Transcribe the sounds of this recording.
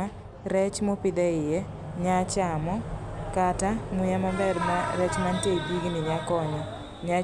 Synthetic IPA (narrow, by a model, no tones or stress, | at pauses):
a | ɾɛt͡ʃmopɪdaɪjɛ | ɲat͡ʃamɔkatamujamabɛdmaɾɛt͡ʃmanteibiɡnɪɲakɔɲɔ | ɲa